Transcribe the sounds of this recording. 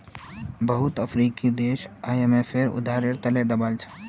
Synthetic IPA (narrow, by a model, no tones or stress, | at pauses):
bəɦʊt̪əfʰɾiːkid̪eːʃaːjemẽfʰɪɾʊ̰d̪ʱaːɾɪɾt̪ɐled̪ɐbaːlt͡ʃʰḁ